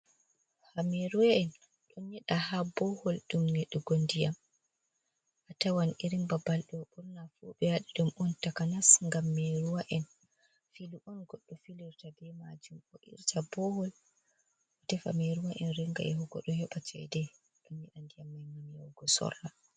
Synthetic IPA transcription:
hameɾuwaʔɛn | ɗɔnɲɛɗahabɔhɔlɗumnɛɗːɛɡondijam | ʔatawaniɾimbabalɗɛɔɓɔɾnafuɓɛwaɗiɗumɔntakanasŋɡamːeɾuwaʔɛn | filuʔɔnɡɔɗːɔfiliɾtabɛma̰d͡ʒumɔʔḭɾtʰabɔhɔl | ʔɔtɛfa̰meɾuwaʔɛnɾiŋɡa̰ʔɛɦɔɡɔ̰ɗɔhɛɓat͡ʃɛ̰jdɛ | ɗɔnɲɛɗandijamːajmamjawɡɔsɔ̰rːa

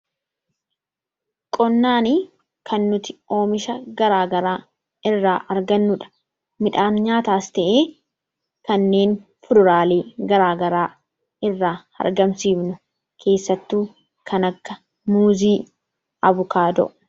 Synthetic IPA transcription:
kʼɔnːaːni | kʰɐnːʊt̪ɪ̥o̞ːmɪʃɐɡɐɾaːɡɐɾaː | ɪrːaːʔɐɾɡɐnːʊᶑɐ̥ | mɪᶑaːnɲaːt̪aːst̪ɛʔeː | kɐnːe̞ːnfʊd̪ʊɾaːleːɡɐɾaːɡɐɾaː | ɪrːaː | ɐ̰ɾɡɐmsiːbnʊ | kʰe̞ːsːɐt̪ːuː | kʰɐnɐkːɐ | muːziː | ɐβʊkaːd̪ɔ̰ʔʊ

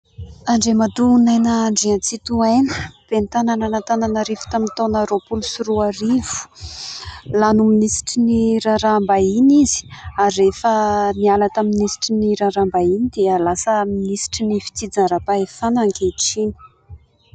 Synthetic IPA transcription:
aɳɖ͡ʐemad̪unajnəɳɖ͡ʐiant͡sit̪uajnəb̥ent̪anananat̪ananaɾivu̥t̪amint̪onaɾopulusuɾuaɾiv̥u̥ | lanuminisi̥ʈ͡ʂiniɾaɾambainizi̥aɾːefənialat̪aminisi̥ʈ͡ʂiniɾaɾambainid̪eəlasəminisi̥ʈ͡ʂinifi̥t͡sid͡zaɾapaefanaŋkeʈ͡ʂini̥

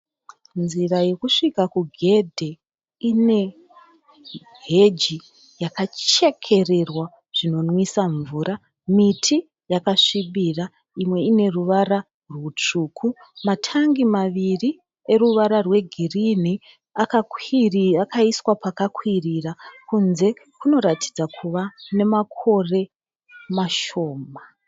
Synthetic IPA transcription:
nziraje̞kuʂikakuɡʱe̞dʱe̞ | ine̞ | ɦe̞d͡ʒi | jakat͡ʃe̞kʰe̞re̞rwa | ʐ̥ino̞nwisaɱvuːɾa | mitʰi | jakaʂiɓira | imwe̞ine̞ruʋaɾa | rwut͡ʂuːkʰu | matʰaŋɡimaʋiri | e̞ruʋaɾarwe̞ɡʱirin̤i | aka | akaiswapakakʰwirirakunze̞ | kuno̞ɾatʰi̥d͡zakʰuʋane̞makʰo̞re̞ | maʃo̞ːma

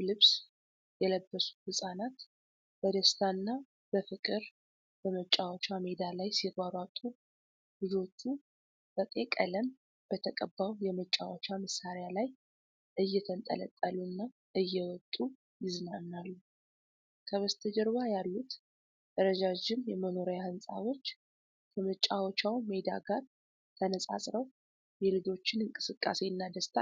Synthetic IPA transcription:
lɨβs | jɛləbːəsu̥hɨsʼanat̪ | b̥əd̪əst̪ʰanːa | b̥əfɨkʼɨɾ | bəmət͡ʃʼːawat͡ʃamed̪alajsiɡaɾat̪ʼːu | lɨd͡ʒo̞t͡ʃːu | b̥ət̪ʼekʼə̰ləm | b̥ət̪ʰəkʼəbːawjɛmət͡ʃʼːa̰wat͡ʃaməsaɾjalaj | ʔɨjːɛt̪ʰənt̪ʼə̰lə̰t̪ʼːəlunːa | ʔɨjːɛwɔt̪ʼːu | jɪzɨnanːalːu | kʰəβəst̪ʰəd͡ʒɛɾβajalːut̪ | d̪̥əɾəd͡ʒad͡ʒɪmjɛməno̞ɾjahɨnsʼa̰ɾo̞t͡ʃː | kʰəmət͡ʃʼawɔt͡ʃʰawme̞d̪a̰ɡaɾ | t̪ʰənəsʼa̰sʼɾəw | jɛlɨd͡ʒo̞t͡ʃːɪnɨŋkʼɨsɨkʼːa̰se̞ɨnːad̪əst̪ʰa

